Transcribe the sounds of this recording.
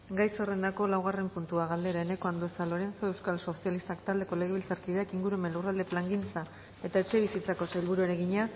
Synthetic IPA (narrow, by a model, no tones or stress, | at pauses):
ɡajso̞re̞nd̪ako̞lawɣ̞are̞mpunt̪uaɣald̪e̞ɾaene̞ko̞and̪oesalo̞ɾe̞nt͡soe̞wskalso̞sijalist̪akt̪ald̪e̞ko̞le̞ɣ̞eβilt͡saɾkiðeakiŋɡuɾue̞me̞nlurald̪e̞plaŋɡint͡sa | e̞t̪ae̞t͡ʃe̞β̞isit͡sako̞sajlβuɾuaɾe̞ɣiɲa